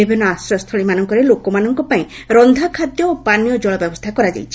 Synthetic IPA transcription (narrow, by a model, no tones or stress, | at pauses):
ibʱinːɔasɾɔst̪ʰɔɭimanɔŋkɔɾelokɔmanɔŋkɔpaĩ | ɾɔnd̪ʱakʰad̪jɔopanijɔd͡ʒɔɭɔbjɔbɔst̪ʰakɔɾad͡ʒa̰jt͡ʃʰi̥